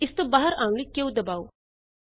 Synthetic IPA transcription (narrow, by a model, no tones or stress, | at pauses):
ɪst̪obaːɦəɾãːlikeud̪ɐbaːu